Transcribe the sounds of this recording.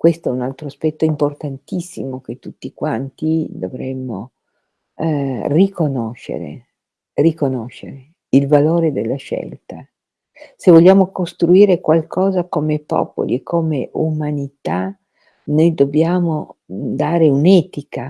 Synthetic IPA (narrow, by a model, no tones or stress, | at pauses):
kwest̪oɛunalt̪ɾoaspɛt̪ːoimport̪ant̪isːḭmok̟et̪ːut̪ːikwant̪id̪ovɾɛmːo̰ | rikonoʃːḛɾḛ | rikonoʃːeɾe | ilvaloːɾed̪elːaʃɛ̰lt̪a | sevoʎːaːmokost̪ɾuiːɾekwalkʰɔːzakomepɔ̰ːpo̰lḭekʰːomeʔumanit̪a | nojd̪objaːmod̪aːɾeunɛːt̪ika